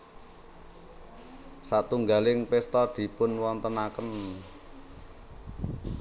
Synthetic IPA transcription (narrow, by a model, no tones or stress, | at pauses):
sat̪uŋɡalɪŋpɪst̪ɔd̪̥i̤pʊnwɔnt̪ənakən